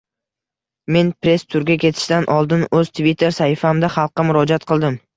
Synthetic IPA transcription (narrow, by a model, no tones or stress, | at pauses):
me̞npɾe̞st̪ʰʊɾɡʲakʲʰe̞t̪ʰɪ̥ʃd̪anʔɒlˠd̪ɪnɵz̥t̪ʰvit̪ʰːe̞ɾsahɪfamd̪aχɑlˠqːɑmʊɾɒd͡ʒat̪̚qʰɨlˠd̪ɪm